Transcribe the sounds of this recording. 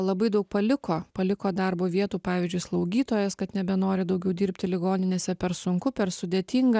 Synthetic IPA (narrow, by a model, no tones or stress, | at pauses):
lˠɐbɐɪd̪ɐʊk̚pɐlʲɪkoːpɐlʲɪkoːd̪ɑɾboːʋʲiɛt̪uːpɑːʋʲɪːzʲd͡ʒʲʊɪslˠɐʊɡʲiːt̪oːjɛskɐt̪nʲɛbʲɛnoːɾʲɪd̪ɐʊɡʲɛʊd̪ʲiːɾʲpʲt̪ʲɪlʲɪɡoːnʲɪnʲeːsʲɛpʲɛɾsʊŋkʊpʲɛɾsʊd̪ʲeːt̪ʲiːŋɡɐ